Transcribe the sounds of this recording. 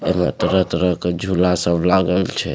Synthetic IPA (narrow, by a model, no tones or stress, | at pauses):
ḛmḛt̪ɾət̪ɾəked͡ʒʱulasəbʱlaɡəlt͡ʃʰɛ